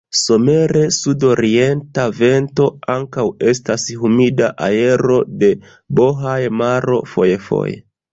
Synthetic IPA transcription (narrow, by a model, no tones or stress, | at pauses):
so̞me̞ɾe̞sudo̞ɾie̞ntave̞nto̞aŋkawe̞stashumidaʔae̞ɾo̞de̞ | bo̞ɦajmaɾo̞̰fo̞jefo̰jḛ